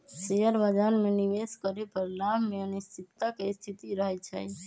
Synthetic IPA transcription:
sejəɾbad͡ʒanmeniʋeskəɾepəɾlamʱmeənist̪ʰit̪ːakest̪ʰit̪iɾəɦɛt͡ʃʰɛ̰

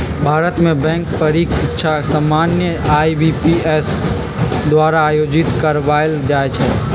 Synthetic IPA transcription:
bʱaːɾət̪mẽbɛ̃ːŋkpəɾiːkɪtːʃʰasaːmaːnjəaːibipies | d̪waːɾaːjoːd͡ʒɪt̪kəɾʋald͡ʒaːet͡ʃʰɛː

